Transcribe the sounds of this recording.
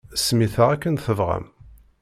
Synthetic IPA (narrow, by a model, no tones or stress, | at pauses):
smiθəʁækːənθəvʁə̰m